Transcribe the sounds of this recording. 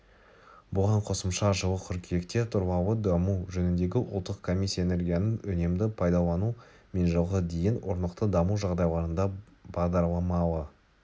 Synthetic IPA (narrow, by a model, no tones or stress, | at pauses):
bʊʁɑɴqʰo̞səmʃɑʒəwˠəqʲʰʏɾkʲʰee̞kt̪e̞t̪ʰʊɾbɑwəd̪ɑmuʒɵnɪnd̪e̞ɡʲɪʔʊ̰lˠt̪ːəqkʰo̞mʲisːijaene̞ɾɡʲijanəŋʏne̞md̪ɪpʰɑjd̪ɑlˠɑnu | me̞nʒəlˠʁəd̪e̞jɪnwo̞ɾnəqt̪əd̪ɑmuwʒɑʁd̪ɑjlˠɑɾənd̪ɑ | b̥ɑʁd̪ɑɾlˠɑmɑlˠə